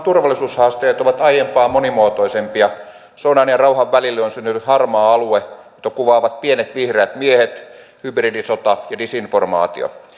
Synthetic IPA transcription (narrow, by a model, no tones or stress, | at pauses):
t̪urʋɑlːˑisuːshɑːst̪eːt̪oʋɑt̪ɑijempɑːmonimuot̪oisempiɑ | sounɑːnjɑrɑuhɑʋʋælilːonsynt̪yt̪ythɑrmɑːɑluejot̪ːˑɑkuʋɑːʋɑt̪̚pienet̪ʋihreːt̪miehet̪ | hybridisot̪ɑjɑdisinformɑ̰ːt̪ḭo̰